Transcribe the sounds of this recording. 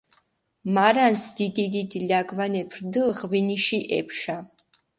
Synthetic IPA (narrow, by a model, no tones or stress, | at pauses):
maɾansd̪̥id̪id̪id̪ilaɡmanɛpʰɾd̪ilˠʁviniʃiʔɛ̰pʰʃa